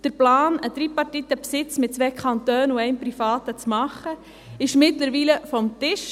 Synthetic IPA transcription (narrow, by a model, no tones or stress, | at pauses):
d̥əɾplɑːnəd̥̪ɾipɑrtit̪əpsɪt͡smɪt̚t͡sʋɛːkʰɑnt̪øːnuɛɪmpɾifɑːt̪ət͡smɑχə | ɪʃmɪtləɾʋiːləfɔmtɪʃ